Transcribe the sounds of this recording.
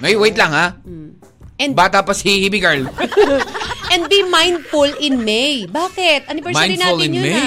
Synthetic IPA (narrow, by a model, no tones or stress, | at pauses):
mɐjwejt̪lɐŋha | ʔɛ̃nbaːt̪ɐpɐsihhibiɡɛɹl | ʔɛ̃nd̪̚bimajnd̪fʊlɪ̃nmɛjbaːkɪt̪̚ʔanɪvɛɹmãjɾinaːlɪ̃nmɛj